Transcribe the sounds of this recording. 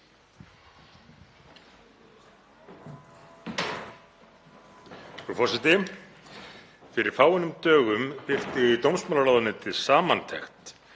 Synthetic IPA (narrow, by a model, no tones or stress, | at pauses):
ufɔsɛt̪ɪ | fɪɾɪɾ̥faːwɪnʏmt̪œːɣʏmpɪr̥t̪ɪit̪owmsmaːlaɾaːðanʏt̪ʰɪðsaːmant̪ʰɛxt̪